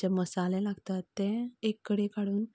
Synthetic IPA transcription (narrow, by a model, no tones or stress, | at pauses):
aməsalɛ̃laɡt̪at̪ːɛ̃ekːəɽekaɽuːn